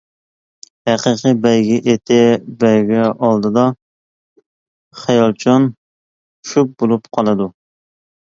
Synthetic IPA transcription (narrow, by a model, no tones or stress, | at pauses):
hæqəqɨbɛjɡʲɪʔet̪ʰɪbɛjɡʲɛʔɑlˠd̪ɨd̪ɑ | χɛjɑlˠt͡ʃʰɑn | ʃuk̚bolˠupqʰɑlˠɨd̪u